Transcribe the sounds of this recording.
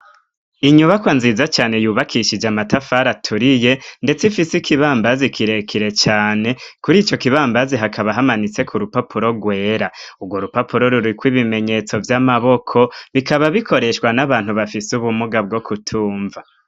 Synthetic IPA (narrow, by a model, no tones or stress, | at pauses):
iɲuβakwanzizat͡ʃaːne̞juːβakʰiʃid͡ʒamatafaɾatʰuɾije̞nde̞t͡sifisikʰiβaːmbazikʰiɾe̞kʰiɾe̞t͡ʃaːne̞kuɾiːt͡ʃo̞kiβaːmbaziɦakʰaβaɦamanit͡se̞kʰuɾupapʰuɾo̞ɡwe̞ːɾauɡwo̞ɾupapuɾo̞ɾuɾikwiβime̞ɲe̞t͡so̞vjamaβo̞kʰo̞βikaβaβikʰo̞ɾe̞ʃwanaβaːn̥huβafisuβumuɡab̚ɡo̞kʰutʰuːɱva